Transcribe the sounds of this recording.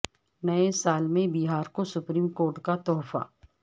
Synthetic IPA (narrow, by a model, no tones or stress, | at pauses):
nɐesaːlmẽbiːɦaːɾkosʊpɾiːmkoːɾʈkat̪ɔːfa̰ː